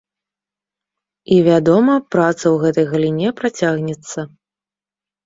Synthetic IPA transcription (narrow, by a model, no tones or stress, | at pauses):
ivʲad̪ɔmɐpɾat̪sɐwɣɛt̪ɐjɣɐlʲinʲɛpɾat͡sʲaɣnʲɛt̪sːɐ